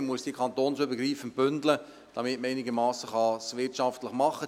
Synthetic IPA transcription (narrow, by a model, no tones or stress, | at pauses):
muəsd̥ikʰɑntoːnsʏbəɡɾiːfənb̥ʏndlə | d̥ɑmɪtməɛɪnɪɡəmɑːsəχɑsʋɪtʃɑftləχmɑχːə